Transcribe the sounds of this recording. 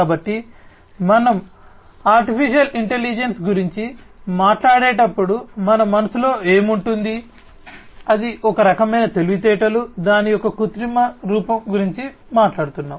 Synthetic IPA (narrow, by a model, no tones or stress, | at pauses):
kaːbɐʈːi | mɐnɐm | aːɾʈipʰiʂijɐliɳʈeliːd͡ʒensɡuɾiɲt͡ʃimaːʈlaːɽeːʈɐpːuɽumɐnɐmːɐnɐsulo̞ːe̞ːmuɳʈund̪i | ɐd̪iʔɔkɐɾɐkɐmɐjnɐt̪e̞luɡut̪ɛːʈɐlud̪aːnijɔkɐkut̪ɾimɐɾuːpɐmɡuɾiɲt͡ʃi | maːʈlaːɽut̪unːaːm